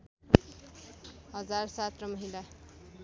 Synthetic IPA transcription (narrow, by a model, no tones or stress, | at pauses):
hʌd͡zarsat̪rʌmʌɦila